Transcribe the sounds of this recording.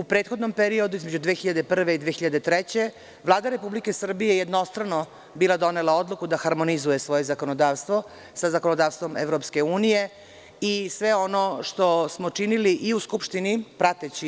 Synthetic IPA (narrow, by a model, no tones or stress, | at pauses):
upɾeːt̪xo̞d̪nompeɾio̞d̪uizmed͡ʑud̪ʋeːxiʎad̪epr̩ʋeid̪ʋeːxiʎad̪et̪ɾɛt͡ɕe̞ | ʋlaːd̪aɾe̞publike̞sr̩bijejed̪no̞st̪ɾano | biːlˠad̪o̞nelˠao̞d̪lˠukud̪axaɾmonizujesʋo̞je̞zako̞nod̪aːʋst̪ʋo̞ | sazako̞nod̪aːʋst̪ʋo̞mḛʋɾopske̞uːnije̞ | isʋeono̞ʃt̪o̞smot͡ʂiniliʔiuskupʃt̪inipɾat̪et͡ɕi